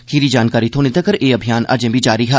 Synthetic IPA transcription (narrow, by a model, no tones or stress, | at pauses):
xʰiːɾid͡ʒaːnkaːɾit̪ʰoːnet̪əkəɾʔeːɐbʱijaːnʔɐ̰ɾd͡ʒə̃bʱid͡ʒaːɾiɦɛ